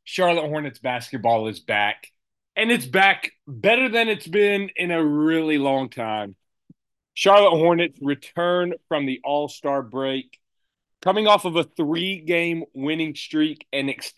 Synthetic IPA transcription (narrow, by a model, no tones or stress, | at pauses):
ʃɑɹlˠət̚hɔɹnɨtsb̥æskɨt̚b̥ɔlˠɨzbæk | ɨ̃nɨtsb̥ækb̥ɛɾə˞ðɨ̃nɨtsb̥ɪ̃nɪ̃nɨɹɪlˠilɔ̃ŋtʰãɪ̃m | ʃɑɹlˠət̚hɔɹnɨtsɹɨtʰɜ̃˞nfɹʌ̃mðiʔɔlˠstɑɹbɹeɪkʰ | ʌmɪ̃ŋɔfʌvəθɹiɡẽɪ̃mwɪ̃nɪ̃ŋstɹ̥iɾɨ̃nɨks